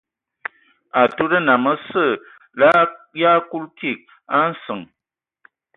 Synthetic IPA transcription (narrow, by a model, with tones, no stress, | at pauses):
a˨tu˦ɾə˦na˨mə˦sə˦˨ | la˦ja˦ku˦lki˦˨k̚ | a˦n̩˦sɨ˨ŋ